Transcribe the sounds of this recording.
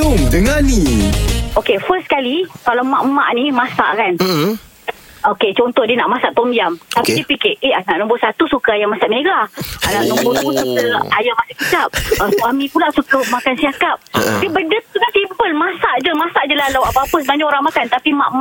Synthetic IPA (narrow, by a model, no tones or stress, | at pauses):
omdəŋani | okefəskalikalawma̰ʔma̰ʔnimasa̰ʔkan | oket͡ʃɔnt̪ɔdiənaʔmasaʔt̪ombiamt̪apidiəpikeʔeanaʔnɔ̃mbʊsat̪usukaajamasaʔmeɡaanaʔnɔ̃mbʊusat̪əlajamasaʔkit̪ap̚əswamĩpulaʔsukəmakansiakap̚diəbəndət̪ukansimpəlmasaʔd͡ʒəmasaʔd͡ʒəlahlawapapəsəbaɲd͡ʒaoɾaŋmakant̪apima̰ʔmaʔ